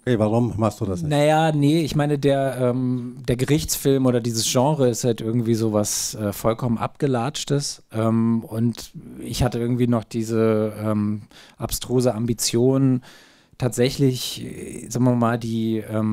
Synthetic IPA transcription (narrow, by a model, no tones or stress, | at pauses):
ʔokeːvaʁʊmmaχstd̥uːdasnajaːnəɪçmaɪnədeːɐʔɛːmd̥eːɐɡəʁɪçt͡sfɪlmoːɾɐdiːzəsʒ̥ɑ̃ːʁəɪsthaltʔɪɐɡŋ̩tv̥iːzoːvasʔɛːfɔlkʰɔmənʔa̰p̚ɡ̥əlaːt͡ʃtəsʔɛːmʊntɪçhatəɪɐɡŋ̩tv̥iːnɔχd̥iːzəʔɛːmʔapstʁ̥oːzəambit͡sjoːnn | tʰaːtz̥ɛçlɪçz̥aːɡŋmvɪɐmaːldiːʔɛːm